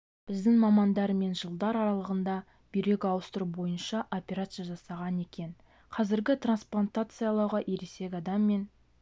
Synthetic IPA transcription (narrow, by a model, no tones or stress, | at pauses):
b̥ɪzd̪ɪŋmɑmɑnd̪ɑɾme̞nʒəlˠd̪ɑɾɑɾɑlˠəʁənd̪ɑ | bijɾe̞kʲɑwəst̪əɾubo̞jənʃɑʔo̞pʲe̞ɾat̪sɨjaʒɑsɑʁɑne̞kʲe̞n | qʰɑzɪɾɡʲɪt̪ransplˠant̪at̪sɨjɑlˠɑwʁɑʔeɾese̞kʲɑd̪ɑmːe̞n